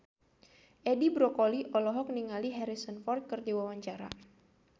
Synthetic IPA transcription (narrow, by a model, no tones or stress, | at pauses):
ʔɛdibɾɔkoliʔɔlɔɦɔk̚niŋaliɦɛɾisənfɔrt̪̚kərdiwawaɲt͡ʃaɾa̰